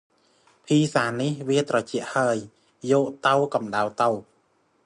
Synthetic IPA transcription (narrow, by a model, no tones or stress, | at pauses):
pʰiːsaːnihʋiət̪rɑt͡ɕɛ̆əʔhaəj | jɔːʔt̪əwkɑmɗawt̪əw